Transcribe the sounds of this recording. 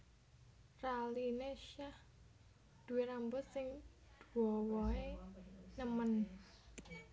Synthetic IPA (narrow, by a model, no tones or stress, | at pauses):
ralineʃah | d̪̥uweɾambʊsɪŋ | d̪̥uɔwɔenəmən